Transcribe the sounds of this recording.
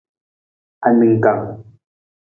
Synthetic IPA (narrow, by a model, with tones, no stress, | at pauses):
a˨ni˨ŋ̩˨ka˨ŋ